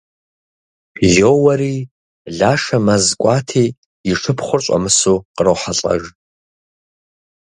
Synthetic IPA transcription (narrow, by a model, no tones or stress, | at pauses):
zoːwɐɾiː | ɮaːʂɐmɐzkʷʼaːtʰeː | iʂʰɨpʰχʷʊrɕʼɐ̰mɨsuːqərowħaɬʼɐ̰ʒ